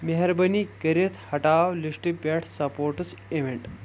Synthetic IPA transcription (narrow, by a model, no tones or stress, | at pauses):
meɦɐɾbɐnikɐɾet̪ʰhɐʈaːʋliʂʈipeʈʰsɐpoːɾʈəs | eʋeɳʈ